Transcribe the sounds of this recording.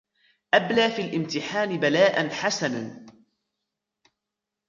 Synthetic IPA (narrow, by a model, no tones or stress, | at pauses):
ʔablaːfiːlʔɪmt̪ɪħaːnɪbalaːʔanħasanan